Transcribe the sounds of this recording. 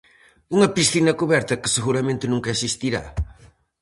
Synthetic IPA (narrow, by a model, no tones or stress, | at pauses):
uŋɐpisθinɐkuβɛɾt̪ɐkɨ̥sɨɣuɾɐmẽnt̪ɪnũŋkɐɐsist̪iɾa̰